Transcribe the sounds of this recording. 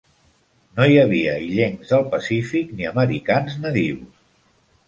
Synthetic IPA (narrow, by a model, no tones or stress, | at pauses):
nojəβ̞iəiʎeŋzðəlˠpəsifikniəməɾikanznəðiws